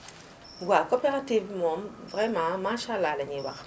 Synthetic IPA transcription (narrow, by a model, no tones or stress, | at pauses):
ɡwakɔpeʁativmɔ̃mvʁɛmãmãʃalːalɛɲewa̰k